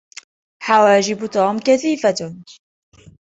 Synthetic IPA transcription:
ħawæːʒɪbt̪oːmkæθiːfat̪

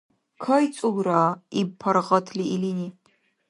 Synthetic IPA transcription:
kʰɐjt͡sʼʊɡraːipʰɐrʁɐtʰliiliniː

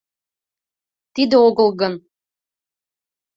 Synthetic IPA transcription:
t̪id̪eoɣɤlˠɣən

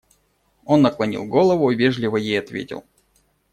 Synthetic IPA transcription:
o̞nːəklˠɐnʲḭlˠɡo̞lˠəvʊvʲe̞ʐlʲɪvəjejɐt̪vʲḛtʲɪ̰lˠ

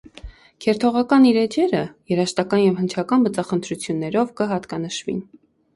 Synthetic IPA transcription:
kʰɛɾt̪ʰɔʁɑkɑniɾɛd͡ʒɛɾəjɛɾɑʃt̪ɑkɑnjɛvhənt͡ʃʰɑkɑnbət͡sɑχənt̪ʰɾut͡sʰjunːɛɾɔvkəɦɑt̪kɑnəʃvḭn

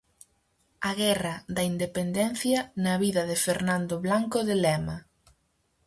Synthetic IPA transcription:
ɐɣɛrɐðɐind̪epend̪ɛn̟θjɐnɐβiðɐðɪfeɾnand̪oβlaŋkoðelɛmɐ

